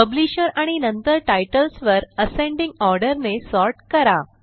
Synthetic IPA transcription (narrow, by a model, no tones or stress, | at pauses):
pəbliɕəɾaɽ̃inənt̪əɾʈajʈəlsʋəɾəsẽɳɖĩŋɡɔɾɖəɾnesɔɾʈkəɾa